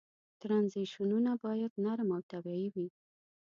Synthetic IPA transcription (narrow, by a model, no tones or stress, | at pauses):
t̪ɾanziʃununabɑjad̪naɾmawt̪abjɑjiwi